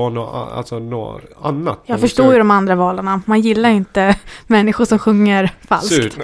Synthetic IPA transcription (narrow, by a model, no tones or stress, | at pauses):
anoa̰lsɔno̰ːa̰nːa̰t̪jɑːɡfœʂʈoːjɵd̪ɔmand̪ɾavɑːlaɳamanjɪlːaɾjɪnt̪əmɛnːɪɧʊʂɔmɧɵŋːəɾfa̰lsst̪